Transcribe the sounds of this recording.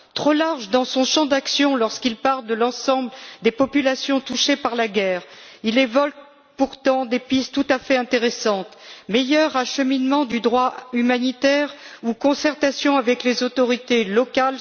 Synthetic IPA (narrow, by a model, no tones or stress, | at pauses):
t̪χolaʁʒd̪ɑ̃sɔ̃ʃɑ̃d̪aksjɔ̃lɔʁskilpaʁld̪əlɑ̃sɑ̃bld̪epɔpylasjɔ̃t̪uʃepaʁlaɡʲɛʁ | ilevɔlk | puʁt̪ɑ̃d̪epist̪t̪ːut̪afɛɛ̃t̪eʁesɑ̃t̪mejœʁaʃəminmɑ̃d̪yd̪ʁwaymanit̪ɛʁukɔ̃sɛʁt̪asjɔ̃avɛklezot̪ɔʁit̪elɔkal